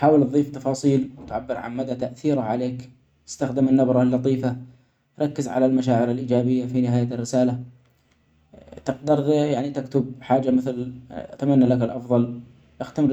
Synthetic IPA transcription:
ħaːwɪlt̪ðˤiːft̪ɑfɑːsˤiːlwt̪ʕabːɪɾʕa̰nmad̪at̪aʔθiːɾaʕaleːk | t̪ɪ̥st̪axd̪ɪmanːabɾˤɑlːɑt̪ˤiːfa | ɾˤɑkːɪzʕa̰lalmaʃaːʕɪɾalʔiːd͡ʒaːbɪjːafinɪɦaːjarːɪsaːla | t̪ɪqd̪ɪɾjaʕnit̪ɪkt̪ʊb̚ħaːd͡ʒamɪθlʔat̪amanːalakalʔɑfðˤɑl | ʔaxt̪am

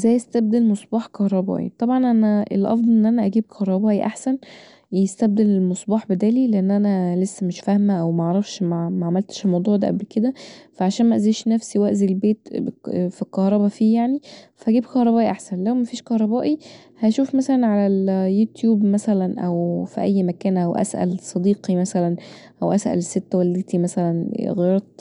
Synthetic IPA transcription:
zæjːest̪æb̚d̪elmosˤbɑːħkɑhɾˤɑbæ̰ːʔḭt̪ˤɑbʕɑnʔænæʔelʔɑ̰fd̪ˤɑlʔenːʔænæʔæɡiːb̚kʰɑhɾˤɑbɑːʔiʔaħsæn | jest̪æb̚d̪elelmosˤbɑːħbed̪æːlileʔenːʔænælesːæmeʃfæhmæʔæwmæʔɑʕɾˤɑfʃmæmæʕamælt̪ʃelmɑwd̪ˤuːʕd̪æ̰ʔæblked̪æfæʕaʃæːnmæʔæziːʃnæfsiwæʔzilbeːt̪fikɑhɾˤɑbɑfiːjaʕnifæhæɡiːbkɑhɾˤɑbæːʔiʔaħsænlæwmæfiːʃkɑhɾˤɑbæːʔi | hæʃuːfmæsælænʕalæljuːt̪juːbmæsælænʔæwfiʔæjːmækæːnʔæwʔæ̰sʔæ̰lsˤɑd̪iːqimæsælænʔæwʔæsʔæ̰lset̪ːæwæld̪et̪ʰimæsælænɣeːɾˤɑt̪̚ˤ

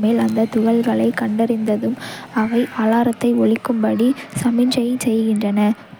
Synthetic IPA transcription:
meːlɐnd̪ɐt̪ʊɣɐɭɣɐɭɐɪkɐɳɖɐɾɪnd̪ɐðɯmɐʋɐɪʔaːlaːɾɐt̪ːɐɪɔɭɪkːɯmpɐɽisɐmɪnd͡ʒɐjɐsɛjɣɪndrɐnɐ

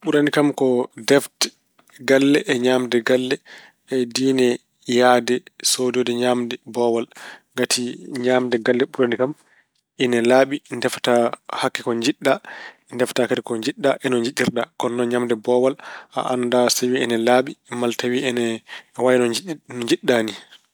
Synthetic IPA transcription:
ɓuɾanikamkɔdɛftɛ̥ | ɡalːɛʔːɲaːmdɛɡalːɛ | ɛdiːnɛ | jadɛsodiɔdɛɲamdɛbɔwalɡatʰiɲaːmdɛɡalːɛɓuɾanikam | ʔinɛlaɓindɛftahakːikɔɲd͡ʒiɗːa | ndɛftakatikɔɲd͡ʒiɗːaʔɛnɔɲd͡ʒiɗiɾɗakɔnːɔɲamdɛbɔwalʔa̰ʔandasawiɛnɛlaːɓimaltawiɛnɛwajnɔnɔɲd͡ʒiɗːani

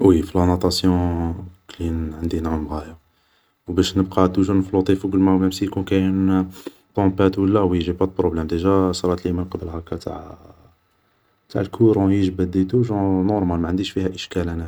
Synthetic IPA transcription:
wifilɑnɑt̪ˤɑsjɔ̃klinʕənd̪inʕəmɣæjɑ | wbæʃnəb̚qɑt̪uʒunəflut̪ˤifuɡəlmæmæmsikunkæjn | t̪ɔ̃pæt̪wəlːæwiʒibæd̪̚pɾoblɛmd̪əʒæsɾˤɑt̪limənqɑbəlhækːæt̪a̰ʕ | t̪a̰ʕəlkʰuɾɑ̃jəʒbæd̪it̪uʒɑ̃nɔɾˤmælmæʕənd̪iʃfihæʔəʃkælænæ

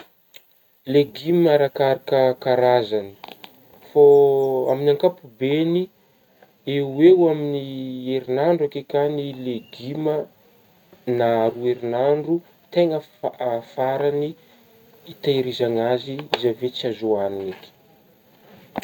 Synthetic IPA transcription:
leɡimaɾakaɾakəkaɾazani̥ | foa̰minaŋkapubeni | euwewaminieɾinaɳɖ͡ʐakekanileɡimə | naɾueɾinaɳɖ͡ʐu | t̪eŋəfaɾaniː | t̪aiɾizaŋaziizavet͡siazoanunake̥

